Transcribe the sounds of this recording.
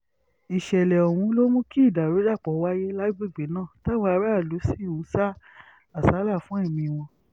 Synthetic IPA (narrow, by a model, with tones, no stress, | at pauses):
i˨ʃɛ˨lɛ˨ɔ˨w̃ũ˧˦lo˦mũ˦ki˦i˦˨da˨ɾo˨˦da˦˨k͡pɔ˨˦˧wa˦je˦la˦bu˦˨ɡ͡be˨˦nãː˦˨ta˦wa˧˦a˧˦ɾa˦a˦˨lu˨˦si˦˨ũ˨˦sa˦ | a˨sa˨˦la˦˨fũ˨˦ɛ˦˨mĩ˧w̃ɔ̃˧